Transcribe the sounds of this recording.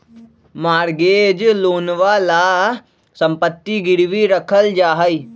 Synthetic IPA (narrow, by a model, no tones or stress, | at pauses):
maːɾɡeːd͡ʒloːnʋala | sə̃mpət̪ːiɡɪɾʋiɾəkʰəld͡ʒaːɦəiː